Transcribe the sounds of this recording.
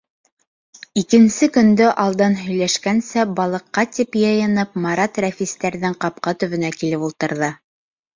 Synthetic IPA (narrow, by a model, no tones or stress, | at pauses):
ikɘ̆nsɘkɵ̆nd̪ɵʔɑlˠd̪ɤnɦɵ̆jlæʃkænsæbɑlˠɤ̆qːɑt̪ipjɤ̆jɤ̆nɤp̚mɑɾɑt̪ɾæfist̪æɾðɘŋqɑp̚qɑt̪ɵ̆βɵ̆nækilɘpulˠt̪ɤ̆ɾðɤ